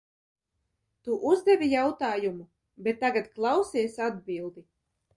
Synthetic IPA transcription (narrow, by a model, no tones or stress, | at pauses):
t̪uʔuzd̪ɛvʲijawt̪aːjumu | bet̪ːaɡat̪klˠawsʲiːsʲad̪̚bʲilˠd̪i